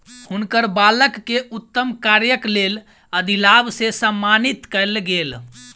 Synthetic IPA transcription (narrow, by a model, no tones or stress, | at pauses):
hunkəɾbaləkːeut̪ːəmkaɾjəklel | əd̪ilabsesəmːanit̪kəlɡel